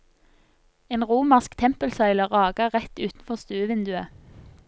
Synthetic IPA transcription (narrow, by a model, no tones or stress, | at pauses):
eːnʁuːməʁskt̪ʰɛmpəlsɑɪləʁɑːɡəʁɛt̪ʉːt̪n̩fɔʁst̪ʉːəʋɪnd̪ʉə